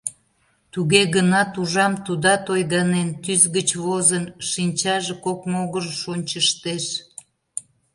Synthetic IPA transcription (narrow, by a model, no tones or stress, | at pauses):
t̪uɣeɣənɑt̪uʒɑmt̪ud̪ɑt̪ojɣɑnent̪yzɣət͡ɕβozənʃinʲt͡ɕɑʒekokmoɣərʃonʲt͡ɕəʃt̪eʃ